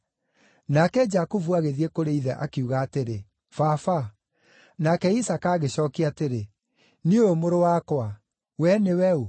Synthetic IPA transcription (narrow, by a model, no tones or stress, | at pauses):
nakɛd͡ʒakuvuaɣeðiekoɾeiðɛ̰ʔakiuɣaːteɾe | fafa | nakɛisakaːɣeɕɔːkiateɾe | nioomoɾowaːkwa | wɛnewɛu